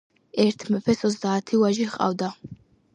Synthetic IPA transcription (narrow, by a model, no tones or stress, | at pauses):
ɛɾt̪ʰmɛpʰɛsɔzd̪aːt̪ʰiwaʒiχqʼa̰vd̪a